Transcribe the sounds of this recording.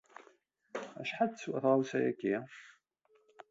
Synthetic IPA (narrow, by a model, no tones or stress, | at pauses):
æʃħad̪t͡sːwæθʁawsæjæ̰kːi